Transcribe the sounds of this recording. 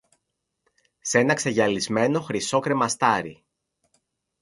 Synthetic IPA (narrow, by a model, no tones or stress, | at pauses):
se̞nɐkse̞ʝɐlizme̞no̞xɾiso̞kɾe̞mɐst̪ɐɾḭ